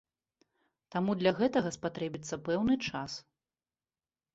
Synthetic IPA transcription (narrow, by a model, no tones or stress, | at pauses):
t̪amud̪lʲɐɣɛt̪ɐɣɐspat̪ɾɛbʲit̪sːɐpɛwnɨt͡ʂas